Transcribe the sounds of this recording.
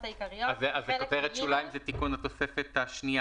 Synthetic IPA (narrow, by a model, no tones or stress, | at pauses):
azazekoteʁet̪ʃulaimzet̪ikunat̪o̞sefet̪aʃnia